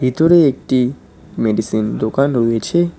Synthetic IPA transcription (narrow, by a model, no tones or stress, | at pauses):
ɦit̪oɾeːk̚ʈi | meɖisind̪okanɦojet͡ʃʰe